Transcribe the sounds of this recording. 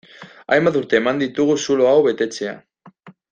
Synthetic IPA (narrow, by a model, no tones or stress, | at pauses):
a̰jmbat̪uɾt̪e̞ːmand̪it̪uɣ̞usulo̞awβe̞t̪e̞t͡se̞a̰